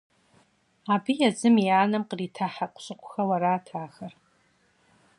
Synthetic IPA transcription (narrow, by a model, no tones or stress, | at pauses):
abijazɨmjaːnɨmqʼritʰaħaqʷʼɕʼɨqʷʰʼxawaɾaːtʰaːxar